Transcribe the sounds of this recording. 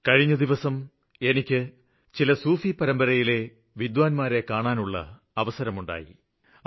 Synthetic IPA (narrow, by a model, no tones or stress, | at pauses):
kɐɻiɲːɐd̪iʋɐsɐm | e̞nikʲːɨ | t͡ɕilɐsuːfipɐɾɐmbɐɾɐjile̞ | ʋid̪waːnmaːɾe̞kaːɳaːnuɭːɐ̰ | ɐʋɐsɐɾɐmuɳɖa̰ːjḭ